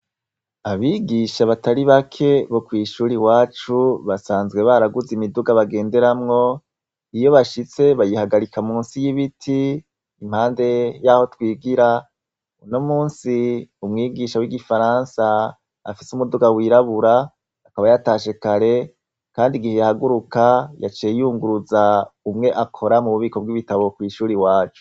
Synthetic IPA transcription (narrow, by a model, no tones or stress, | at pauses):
aβiːɡiʃaβataɾiβakʰe̞βo̞kwiːʃuːɾiwaːt͡ʃuβasaːnzɡwe̞βaɾaɡuzimiduɡaβaɡe̞ːnde̞ɾamŋo̞ | ijo̞βaʃit͡se̞βajihaɡaɾikamuːnsijiβitʰiː | m̥haːnde̞jaho̞twiːɡiɾa | unomuːnsiumŋiːɡiʃawiɡifaɾaːnsa̰ː | fisumuduɡawiːɾaβuɾaː | kaβajataːʃe̞kaɾe̞ | kaːndiɡihejahaɡuɾukaja̰t͡ʃijejuːŋɡuɾuzaumŋe̞ʔakʰo̞ɾamuβuβiːko̞b̚ɡiβitaβo̞kwiːʃuːɾiwaːt͡ʃo̥